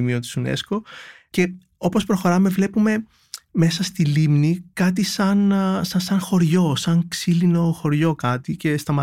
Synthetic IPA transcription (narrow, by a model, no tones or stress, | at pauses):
miot̪i̥sunḛsko̞ | ce̞ | o̞po̞spɾo̞xo̞ɾɐme̞vle̞pume̞ | me̞sɐst̪ilimnikɐt̪̬isɐnsɐsɐŋxo̞ɾʝo̞sɐŋksilino̞xo̞ɾʝo̞kɐt̪ice̞st̪ɐmɐ